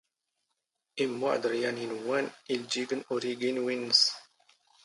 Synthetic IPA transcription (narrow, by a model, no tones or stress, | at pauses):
ʔimːo̰ʕd̪ɾjaninwanild͡ʒiɡənoɾiɡinwinz